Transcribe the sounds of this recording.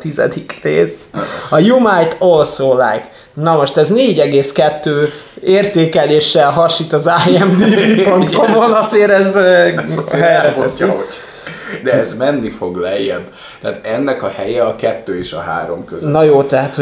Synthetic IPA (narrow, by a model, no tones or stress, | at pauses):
t̪izɛ̰d̪ikreːsɒjumajt̪olsoːla̰ːjt̪ | nɒmo̞ʃt̪ɛzneːɟɛɡeːskɛt̪ːøːeːrt̪eːkɛleːʃːɛlɦɒʃit̪ɒzaːjɛmd̪iipont̪komonɒzeːɾɛz | ɦɛjkoɛsio | d̪ɛɛzmɛnːifo̞ɡlɛjːɛbː | t̪ɛaːt̪ɛnːɛkɒhɛjɛɒkɛt̪ːøːeːʃɒ̰ha̰ːɾo̰mkøznɒjoːt̪ɛɦat̪ho